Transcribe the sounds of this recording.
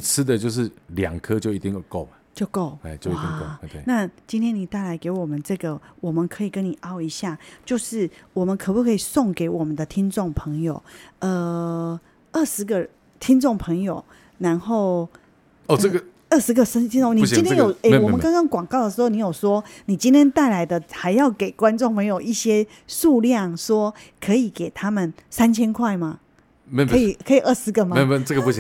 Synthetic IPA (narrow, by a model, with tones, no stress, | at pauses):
i˨˩t͡s̩ʰ˦˥d̪ə˨t͡ɕjo˥˧ʊʂ̬ɻ̩˥˩ljɑ̰˨˩ŋkʰɤ˦t͡ɕjo˥˩i˨˩t̪i˥˧jo˨˩ko˥˩ʊma˨t͡ɕjo˥˧ʊko˥˩ʊ˥˩t͡ɕjo˥wi˨t̪ḭ˧ko˥˧˨na˥˧t͡ɕi˥nt̪ʰjɛ˥ni˨˩t̪a˥˩ɪla˧˥ɪke˧˥ɪwɔ˨˩mə˦nʈ͡ʂɤ˥˩ɡə˩wɔ˨˩mə˨˦nkʰɤ˧˥i˨˩kə˦˥ni˨˩ʔɑ˥ʊi˧˥ɕja˥˩t͡ɕjo˥˧ʊʂɻ̩˥˩wɔ˨˩mə˨˦nkʰpu˥˩kʰːi˨˩sʊ˥˩ŋke˧˥ɪwɔ˨˩mə˦nd̪ə˨t̪ʰi˥ŋʈ͡ʂʊ˥˩ŋpʰɤ˧˥ŋjo˨˩ʊə˧ | ə˥˩ʂɻ̩˧˥ɡə˨ | t̪ʰi˥ŋʈ͡ʂʊ˥˩ŋpʰɤ˧˥ŋjo˨˩ʊ | na˧˥nxo˥˩ʊ˨˥ | ɡ | ə˥˩ʂɻ̩˧˥ɡə˨sə˥t̪ʰi˥ñ˥˨ni˥˩i˥nt̪ʰjnjo˨˩ʊe˥˩˧wɔ˨mə˦kɑ˥ŋkɑ˥˦ŋkwɑ˨˩ŋkɑ˥˩ʊd̪ə˩ʂ̬ɻ̩˧xo˥˩ʊni˧˥jo˨˩ʊswɔ˦˥ni˨˩t͡ɕi˥nt̪ʰjɛ˥nt̪a˥˩ɪla˧˥ɪd̪ə˧xa˧˥ɪjɑ˥˩ʊke˨˩ɪkwa˥˦nʈ͡ʂŋpʰɤ˧˥ŋjo˨˩ʊi˥˩ɕjɛ˦˥ | ʂu˥˧ljɑ˥˩ŋʂwɔ˥kʰɤ˧˥i˨˩˦ke˨˩ɪt̪ʰa˦˥mə˨nsa˥nt͡ɕʰjɛ˥nkʰwa˥˩ɪma˨ | me˥ki˨˩kʰɤ˧˦˥i˨˩ʔə˥˩ʂɻ̩˧˥ɡə˨ma˨˥˩ʈ͡ʂə˥˩ɡə˩pu˥˩˧